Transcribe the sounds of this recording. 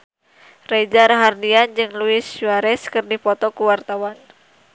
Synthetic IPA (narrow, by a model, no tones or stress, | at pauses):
rɛd͡ʒarɦardiand͡ʒɨŋluɪsuaɾɛskɨrdipɔt̪ɔkuwart̪awan